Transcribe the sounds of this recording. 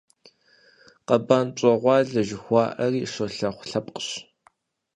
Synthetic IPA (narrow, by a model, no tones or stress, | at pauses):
qɐbaːnt͡ʃʷʼɐʁʷɑːɮɐʒɪxʷɑːʔɐriːʂɐɬɐχʷɬɐpʼqə̥ɕ